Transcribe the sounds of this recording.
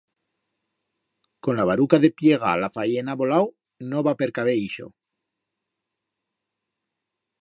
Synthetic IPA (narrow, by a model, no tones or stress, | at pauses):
ko̞nlaβaɾukaðe̞pje̞ɣ̞a̰lafajenaβo̞law | noβape̞ɾkaβeiʃo̞̰